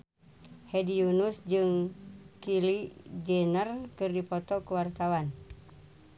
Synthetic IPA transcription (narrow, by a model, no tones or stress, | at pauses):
hɛdiunusd͡ʒɨŋkilid͡ʒɛnərkɨrdipɔt̪ɔkuwart̪awan